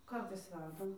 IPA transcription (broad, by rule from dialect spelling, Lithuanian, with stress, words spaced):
ˈkɐrtɐɪs ˈʋʲɛrdɐm